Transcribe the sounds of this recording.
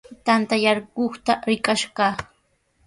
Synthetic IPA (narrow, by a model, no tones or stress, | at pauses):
t̪ant̪ajaɾɢoχt̪aɾɪkaʃɢɑ